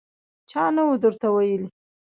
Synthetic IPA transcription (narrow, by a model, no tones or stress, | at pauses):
t͡ʃɑnawud̪əɾt̪awajəli